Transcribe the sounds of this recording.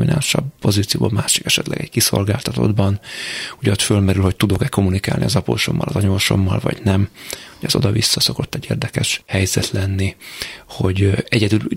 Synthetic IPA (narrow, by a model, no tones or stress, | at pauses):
minaːlʃɒbpo̞ziːt̪sijoːbolmaːʃikɛʃɛt̪lɛ̰ɡɛɟkiso̞lɡaːlt̪ɒt̪o̞̰d̪bɒnuɟɛot̪følmɛɾylho̞c̚t̪ud̪o̞kɛko̞munikaːlniɒzɒpo̰ːʃo̞mːɒlɒzɒɲoʃo̞mːɒlvɒ̰ɟnɛmoɟɒzo̞d̪ɒvisːɒso̞ko̞t̪ːɛɟːḛːrd̪ɛkɛʃhɛjzɛt̪lɛnːiho̞ɟɛɟɛd̪yl